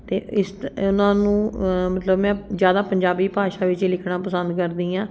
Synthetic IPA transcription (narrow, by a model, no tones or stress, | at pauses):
t̪eːɪsʊnãːnũːmət̪ləbmɛ̃ːzjaːd̪aːpəɲd͡ʒaːbiːpaːʃaːʋɪt͡ʃelɪkʰnãːpəsənd̪kəɾd̪ĩːãː